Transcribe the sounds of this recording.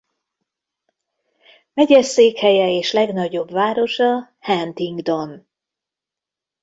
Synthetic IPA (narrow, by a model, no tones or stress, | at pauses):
mɛɟɛseːkhɛjɛeːʃlɛɡnɒɟo̞bvaːɾo̞ʃɒ | hɛnt̪iŋɡd̪o̞n